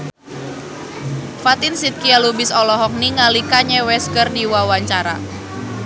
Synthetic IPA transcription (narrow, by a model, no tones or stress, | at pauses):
fat̪ɪnsit̪̚kialubɪsɔlɔɦɔk̚niŋalikaɲɛwɛskərdiwawaɲt͡ʃaɾa̰